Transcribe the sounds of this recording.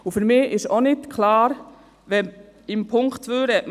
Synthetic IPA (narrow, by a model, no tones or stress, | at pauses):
ʊfœɾmɪʔɪsɔnɪt̪kʰlɑːɾ | ʋɛm | ɪmpʰʊŋkt̪ʰʋøːɾə